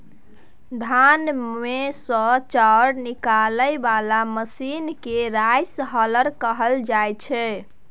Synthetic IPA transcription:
d̪ʱanmesə̃t͡ʃaɽnikaləjbalaməsinkeɾajsɦələɾkəɦəld͡ʒajt͡ʃʰɛ

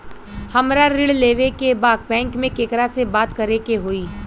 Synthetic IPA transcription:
hɐmɾaɾɪɽleːʋekebaːd̪̚bɛ̃ːŋkmẽkeːkɾasebaːt̪kɐɾekeɦoːiː

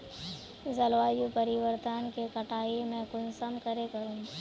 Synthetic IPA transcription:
zɐlʋaːjupɐɾɪʋəɾt̪ənkekɐʈʰaːimẽkʊnsəmkəɾekɐɾũ

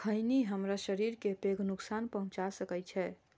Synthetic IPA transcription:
kʰəjniɦəmɾaʃəɾiɾkepeɡʱnuksanpəɦũt͡ʃasəkɛjt͡ʃʰɛ

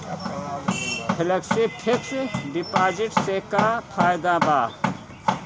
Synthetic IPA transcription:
pʰɪləksipʰɪksɖɪpaːd͡ʒɪʈsekapʰaːjd̪abaː

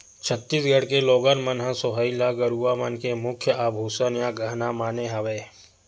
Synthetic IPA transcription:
t͡ʃʰət̪ːiːsɡʱəɽ̤keloːɡənmənɦãsoɦəilaɡəɾuːamənkemʊkʰjəʔaːbʱuːsənjãɡəɦnamaːneɦaʋeː

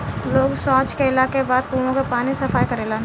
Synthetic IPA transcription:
loːɡsɔ̃ːt͡ʃkeɪlaːkebaːd̪kuːõkepaːnisɐfaːjkɐɾeːlan

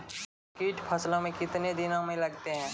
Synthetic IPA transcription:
kiːʈpʰɐslõmẽkɪt̪ned̪ɪnõmẽlɐɡt̪eɦɛ̃ː

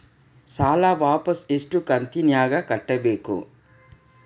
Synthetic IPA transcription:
saːlaːʋaːpɐseʂʈukɐnt̪injaːɡɐkɐʈːɐbeːkṵ

